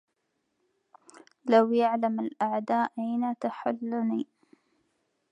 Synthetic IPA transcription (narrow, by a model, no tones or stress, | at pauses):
lawjaʕlamalʔaʕd̪aːʔʔajnat̪aħʊlːʊniː